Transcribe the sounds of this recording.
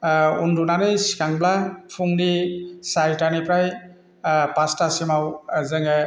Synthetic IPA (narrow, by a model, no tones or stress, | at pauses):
undunanɯjsi̥kaŋblapʰuŋdisajtanipɾaj | pastasimawzɯŋɛ